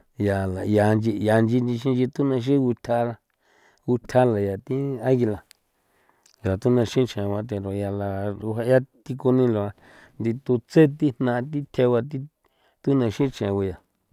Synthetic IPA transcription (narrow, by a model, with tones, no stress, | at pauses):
ja˨la˨ja˨˧nd͡ʒi˧ja˨˧nd͡ʒi˧nd͡ʒĩ˧ʃĩ˦nd͡ʒi˧t̪u˦nã˧ʃ̬ĩ˦˧ɡu˧t̪ʰa˧la˧ | ɡu˧t̪ʲʰa˦la˨ja˨t̪ĩ˦a˦ɣi˧la˨ | ja˨t̪u˦nã˧ʃĩ˦˧t͡ʃẽ˨˧wa˧˦t̪̬e˨ɾo˨˧ja˧la˧u˧a˧ja˦t̪i˧ku˧nĩ˦lo˧˨a˧ | nd̪i˧t̪u˧t͡se˦t̪i˦nnã˧t̪̬i˦t̪ʰe˧wa˧t̪̬i˦ | t̪u˦nã˧ʃĩ˦t͡ʃẽ˨˧u˧ja˨